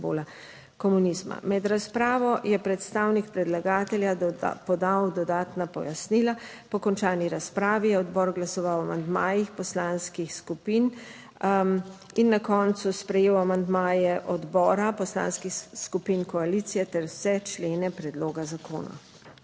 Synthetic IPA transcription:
bo̰la | kɔmunizma̰mɛd̪ɾaspɾaːʋɔjɛpɾɛt̪st̪aːwnikpɾɛd̪laɡaːt̪ɛlja̰pɔd̪awd̪ɔd̪aːt̪napɔjasniːla | pɔkɔnt͡ʃaːniɾaspɾaːʋijɛɔd̪bɔːɾɡlasɔʋawamand̪maːjixpɔslanskixskupiːn | inːakɔnt̪suspɾɛjeːwamand̪maːjɛʔɔd̪bɔːɾapɔsla̰ːnskixskupiːnkɔalit̪sijɛt̪ɛɾwsɛt͡ʃleːnɛpɾɛd̪loːɡazako̰ːna̰

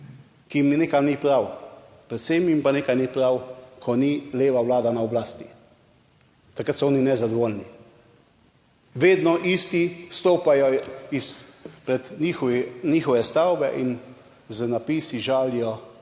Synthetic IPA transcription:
kimineːkamnipɾaw | pɾɛt̪semimpaneːkajnipɾawkʰɔnileːʋawlaːd̪anaɔblaːst̪i̥ | t̪akɾət̪sɔɔːninɛzad̪ɔʋoːlni | ʋeːd̪nɔʔiːst̪ist̪oːpajɔispɾɛt̪nixɔʋiniːxɔʋɛst̪awbɛʔin | zənapiːsiʒaːlijɔ

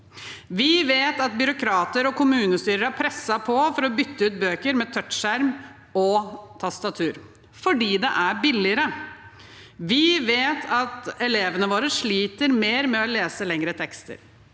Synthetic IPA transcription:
ʋɪʋeːt̪ɑt̪̚bʏɾʊkʰɾɑːt̪əɾɔkʊmʉːnəst̪yːɾəɾæɾpʰɾɛsːɑpʰɔfɔɾɔbʏt̪ːəʉːt̪̚bøːkəɾmɛt̪ʰœt̪ʂæɾm | ɔt̪ʰɑst̪ɑt̪ʰʉːɾ | fɔɖiːd̪ɛʔæɾbɪlːɪəɾə | ʋɪʋeːt̪ʰɑt̪ɛleːʋənəʋoːɾəʂɭiːt̪əɾmeːɾmɛɔleːsəlɛŋɾət̪ʰɛkst̪ə̰ɾ

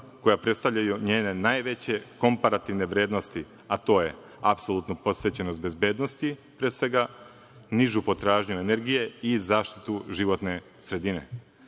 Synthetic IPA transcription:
ko̞japɾe̞t̪st̪aʋʎʲajuɲe̞ːne̞naːjʋe̞t͡ɕe̞ko̞mpaɾat̪iʋne̞ʋɾe̞ːd̪nost̪i | at̪o̞ːje̞̰ | apso̞lˠut̪nupo̞sʋe̞t͡ɕenost̪be̞zbe̞ːd̪no̞st̪ipɾeːsʋe̞ɡa | niʒupo̞t̪ɾaːʒɲuene̞ɾɡije̞izaːʃt̪i̥t̪uʒiʋo̞t̪ne̞ | sɾe̞d̪ine̞̰

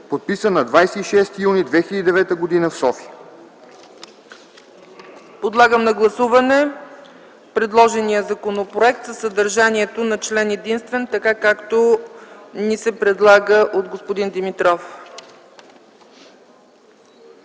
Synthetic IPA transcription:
pot̪̚pisənɐd̪vajsɛiʃɛst̪junid̪vɛxʲid̪ʲid̪ɛvɛt̪əɡod̪inəfsɔfiə | pod̪lˠaɡəmnɐɡlˠɐsuvɐnɛ | pɾɛd̪lˠɔʒɛnijəzɐkonopɾoɛk̚t̪zəsɐd̪ɐɾʒaniɛt̪onɐt͡ʃlɛnɛd̪inst̪vɛnt̪ɐkakakt̪o | nisɛpɾɛd̪lˠaɡəʔod̪ɡospod̪ind̪imit̪ɾɔf

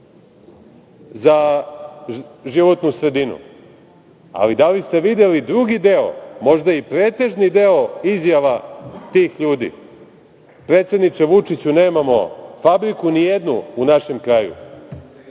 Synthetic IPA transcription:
za | ʒiʋo̞t̪nusɾe̞d̪inṵ | a̰lid̪alist̪e̞ʋid̪elid̪ɾuɡid̪eo̰mo̞ʒd̪aipɾe̞ːt̪e̞ʒnid̪e̞o̞izjaʋat̪iːxʎuːd̪ḭ | pɾe̞ːt̪sed̪nit͡ʃeʋut͡ʂit͡ɕune̞ːmamo̞̰fabɾikunijed̪nuunaʃe̞mkɾaːjṵ

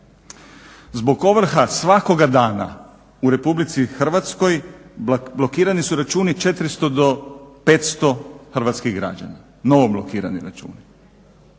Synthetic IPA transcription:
zbo̞ɡo̞ʋr̩xasʋako̞ɡad̪aːna̰ | uɾe̞publit̪sixr̩ʋat̪sko̞j | blo̞kiːɾanisuɾat͡ʃuːnit͡ʃe̞t̪ɾist̪o̞d̪o̞pet̪st̪o̞xr̩ʋat̪skiɣɡɾa̰d͡ʒa̰na | no̞ʋoblˠokiːɾa̰nḭɾat͡ʃṵːni

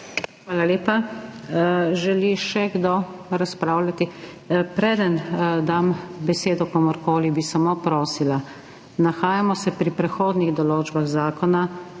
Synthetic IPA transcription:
xʋaːlaleːpa | ʒɛliʃɛɡd̪oɾaspɾaːwlʲat̪i | pɾɛːd̪ənd̪ambɛseːd̪ɔkɔːmɔɾkoːlibisamopɾoːsila | naxaːjamɔsɛpɾipɾɛxoːd̪niɣd̪ɔloːd͡ʒbaɣzaːkɔna

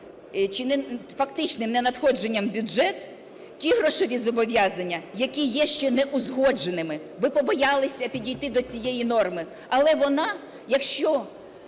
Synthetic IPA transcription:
t͡ʃɪnfɐkt̪ɪt͡ʃnɪmnɛnɐt̪xɔd͡ʒe̞nʲːɐmbʲʊd͡ʒɛt̪ | tʲiɦɾɔʃɔʋʲizɔbɔʋʲjɑzɐnʲːɐjɐkʲijɛʃt͡ʃɛnɛʔʊzɦɔd͡ʒenɪmɪʋɪpɔbɔjɑlˠɪsʲɐpʲidʲijt̪ɪd̪ɔt͡sʲijɛjin̪ɔrmɪ | ɐlˠɛʋɔnɑ | jɐkʃt͡ʃɔ

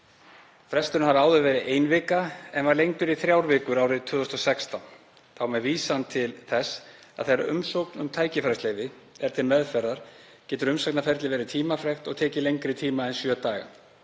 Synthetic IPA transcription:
fɾɛst̪ʏɾnhaɾaːwðʏvɛːɾɪʔeːjnvɪːkaɛnvaɾlejŋk̪ʏɾiθɾjawɾvɪːkʏɾaːwɾɪðt̪ʰʏːðʏst̪ɔsɛkst̪an | θawmɛðviːsant̪ʰɪlθɛs | a̰ðθeɾʏ̰msowknʏmt̪ʰaːjcɪfɾɛst̪leːjvɪ | ɛɾ̥t̪ʰɪlmɛðfɛɾðaɾ̥ | cɛːt̪ʏɾʏmsajknafɛɾt̪lɪvɛːɾɪt̪ʰiːmafɾɛxt̪ɔɣt̪ʰɛːcɪlejŋkɾɪt̪ʰiːmaɛnsjœːt̪aːɣa̰

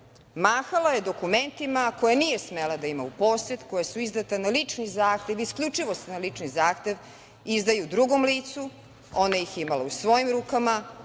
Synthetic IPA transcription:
maːxalaje̞d̪o̞kume̞nt̪imako̞janiːjesmelad̪aimaupo̞ːset̪ko̞jasuizd̪at̪analit͡ʂnizaːxt̪eʋiskʎʲut͡ʂiʋo̞senalit͡ʂnizaːxt̪eʋ | izd̪ajud̪ɾuɡo̞mliːt̪su | o̞najiximaleusʋo̞jimɾukama

